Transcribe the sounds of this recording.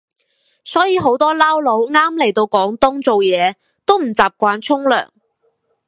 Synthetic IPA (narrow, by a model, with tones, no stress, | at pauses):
sɔː˨˥jiː˨˧ɦo˨˥wt̪ɔː˥laː˥wlo˨˥wŋaː˥mle˨˩jt̪o˧wkɔː˨˥ŋt̪ʊ˥ŋt͡so˨wjɛː˨˧ | t̪o˥wm̩˨˩t͡saː˨p̚kʷaː˧nt͡ʃʰʊ˥ŋlœ̰ː˨˩ŋ